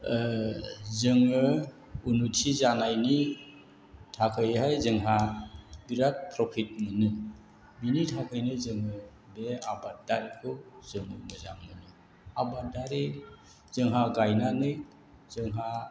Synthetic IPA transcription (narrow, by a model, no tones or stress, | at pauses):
zɯŋɯ | unutʰizanajni | tʰakʰɯjɦajzɯŋɦabiɾat̚pʰɾɔpʰit̚mɯnɯ | binitʰakʰɯjnɯzɯŋɯ | beabadaɾikʰɯz̥ɯŋɯmɯza̰mɯnɯ | abadaɾi | z̥ɯŋɦaɡajnanɯj | zɯŋɦa